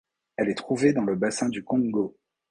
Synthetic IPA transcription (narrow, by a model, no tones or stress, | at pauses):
ɛlɛt̪χuved̪ɑ̃ləbasɛ̃d̪ykɔ̃ɡo